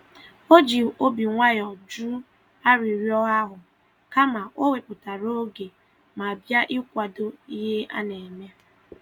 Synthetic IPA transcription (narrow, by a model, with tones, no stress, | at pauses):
o˦d͡ʒi˨o˦bi˨ŋʷa˦jɔ˨d͡ʒu˦ | a˦ɾi˨ɾjɔ˦ɣa˦ɦʊ˨ | ka˦ma˨ʔo˦we˨pʊ˨ta˨ɾo˦ɡe˨ | ma˨a˨bja˦ʔɪ˦kʷa˨do˦i˦ɦe˦a̰˦ne˨me˦